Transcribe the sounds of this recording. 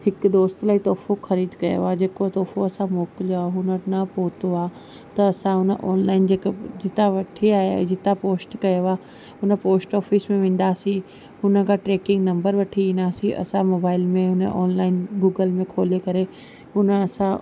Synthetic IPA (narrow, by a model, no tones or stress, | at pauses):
hɪkd̪oːst̪laːit̪ɔːfoxɐɾiːd̪kɐjo̰aːd͡ʑeːkot̪ɔːfoɐsãmoːkloɦʊnənɐpoːt̪oaː | t̪ɐːsãɦʊnəʔɔ̰ːnlaːɪnd͡ʑeːkd͡ʑɪt̪aʋɐʈʰiaːɦed͡ʑɪt̪apoːsʈkɐjoaː | ʊnə̆poːsʈɔːfismẽʋẽːn̆d̪aːsĩ | ɦʊnə̆kʰaʈɾeːkɪ̃ŋɡnɐ̃mbəɾʋɐʈʰiĩːnd̪aːsĩʔɐ̰sãmoːbaːɪlmẽɦʊnəʔɔ̰ːnlaːɪnɡuːɡəlmẽkʰoːlekɐɾe | ɦʊnəɐsã